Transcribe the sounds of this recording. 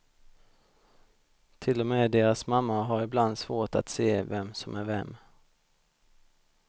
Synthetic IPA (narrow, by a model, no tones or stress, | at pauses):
t̪ʰɪlːɔmeːd̪eːɾasmamːaɦaɾɪbland̪svoːʈa̰t̪seːvɛmsɔmʔæɾvɛ̰mː